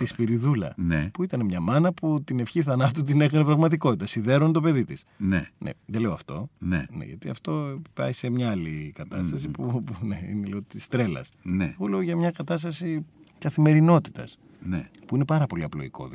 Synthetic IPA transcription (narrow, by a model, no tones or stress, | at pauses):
t̪ispiɾiðulɐ̰nepuit̪ɐnemɲɐmɐnɐput̪ine̞fçiθɐnɐt̪ut̪ine̞xɐnepɾɐɣmɐt̪̬iko̞t̪it̪ɐsiðe̞ɾonet̪o̞pe̞ðit̪isnenḛðele̞oɐft̪o̞̰nḛnḛʝɐ̰t̪iɐ̰ft̪o̞eipɐ̰ise̞mɲɐɐlikɐt̪ɐst̪ɐsipuneḭneleot̪ist̪ɾe̞lɐ̰sneɣo̞le̞oʝɐmɲɐkɐt̪ɐs̬t̪ɐsikɐθime̞ɾino̞t̪i̥t̪ɐ̰s | nepuine̞pɐɾɐpo̞liɐplo̞̰iko̞̰ð